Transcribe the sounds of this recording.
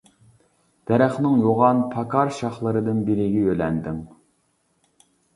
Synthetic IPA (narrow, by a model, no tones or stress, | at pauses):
d̪̥ɛɾɛχnɨŋjoʁɑnpʰɑkʰɑɾʃɑχlˠɨɾɨd̪ɨnbɪɾɪɡʲɛølɛnd̪ɪŋ